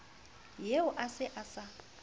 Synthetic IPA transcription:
jeʊʔasɪʔasa

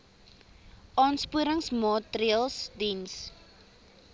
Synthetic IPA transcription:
ʔɑːnspuəɾəŋsmɑːtɾiəlˠsdins

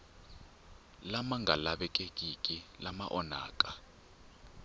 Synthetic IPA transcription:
lamaŋɡʱalaɓɛkʼekʼikʼilamaʔɔna̰ːk̬ʼa

